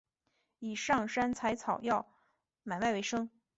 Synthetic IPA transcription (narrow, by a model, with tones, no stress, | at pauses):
i˨˩ʂɑ˥˩ŋʂa˥nt͡sʰa˧˥ɪt͡sʰɑ˨˩ʊjɑ˥˩ʊ | ma˨˩ɪma˥˩ɪwe˧˥ɪʂɤ˥ŋ